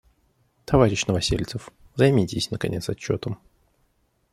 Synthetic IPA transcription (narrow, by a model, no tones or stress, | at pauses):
t̪ʰɐvaɾʲɪɕnəvɐsʲilʲt̪səf | vzɐjmʲitʲɪsʲnəkɐ̰nʲet̪sɐt͡ɕːo̞t̪əm